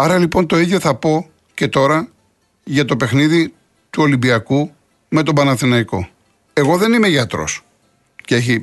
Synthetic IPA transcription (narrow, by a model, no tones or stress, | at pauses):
ɐɾɐlipo̞nt̪o̞iðjo̞θɐpo̞ | ce̞t̪o̞ɾɐ | ʝɐt̪o̞pe̞xniði | t̪uo̞limbiɐku | me̞t̪o̞bɐnɐθinɐiko̞̰ | e̞ɣo̞ðe̞nime̞ʝɐt̪ɾo̞̰s | cee̞çi